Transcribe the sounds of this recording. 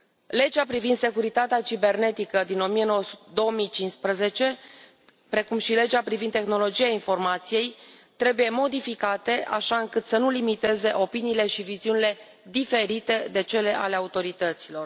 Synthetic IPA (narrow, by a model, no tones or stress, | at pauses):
le̞d͡ʒapɾivind̪se̞kuɾit̪at̪eat͡ʃibe̞rne̞t̪ikəd̪ino̞mije̞no̞wəsu̥td̪o̞womijt͡ʃinspɾəze̞t͡ʃe̞ | pɾe̞kumʃile̞d͡ʒapɾivind̪t̪exno̞lo̞d͡ʒijainfo̞rmat̪sije̞j | t̪ɾe̞buje̞mo̞d̪ifikat̪e̞ʔa̰ʃaɨŋkɨt̪sənulimit̪e̞ze̞ʔo̞piniːle̞ʃiviziunile̞ | d̪ife̞ɾit̪e̞d̪e̞t͡ʃe̞le̞ʔa̰le̞aut̪o̞ɾit̪ət̪silo̞r